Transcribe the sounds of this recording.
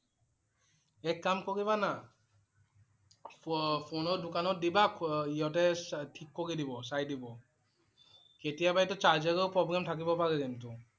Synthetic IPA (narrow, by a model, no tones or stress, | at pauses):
ɛkːamkoɹiβana | pʰonɔdukanɔt̚dibakijɔtɛtʰikːoɹidibɔsajdibɔ | ketijabajtɔt͡ʃazɛɹɔpɹɔbɹamtʰak̬ibɔpaɹɛkɛntʊ